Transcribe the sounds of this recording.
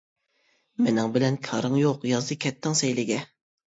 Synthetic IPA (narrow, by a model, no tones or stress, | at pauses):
mɪnɪŋbɪlɛnkʲʰɑɾɨŋjoqjɑzd̪ɨkʲʰɛt̪ʰːɪŋsɛjlɪɡʲɛ